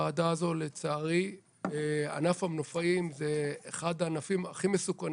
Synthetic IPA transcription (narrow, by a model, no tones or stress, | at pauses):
aːdaːzo̞let͡saːʁi | ea̰nafamnofaimzeːχad̪aːnafima̰χimesukan